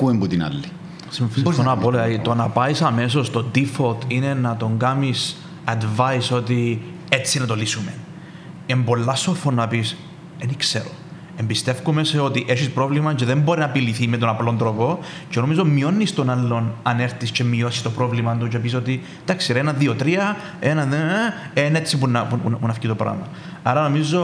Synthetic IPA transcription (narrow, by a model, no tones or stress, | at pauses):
kuembut̪inɐ̰lːi | simfonɐpoleɐit̪onɐpɐisɐmes̬o̞st̪od̪ifolt̪ʰine̞nɐt̪o̞ŋɡɐmis | ɐd̪vɐjso̞t̪i | e̞t͡sːinɐt̪o̞lisume | embo̞lːɐst̪ofonːɐpis | enikseɾo | embist̪e̞fkumeseo̞t̪iʔeʃispɾo̞vlimɐt͡ʃeðemboɾinɐpiliθimet̪onɐplo̞nd̪ɾopo̞ceno̞mizo̞mio̞nːist̪o̞nɐlːo̞nɐneɾt̪iscemio̞sist̪o̞pɾovlimɐnt̪ucepis̬ot̪i | d̪̥ɐksiɾenɐðiot̪ɾiɐ | enɐðe | enet͡sːipunɐpunpunɐfcit̪opɾɐ̰mɐ | ɐɾɐno̞mizo̞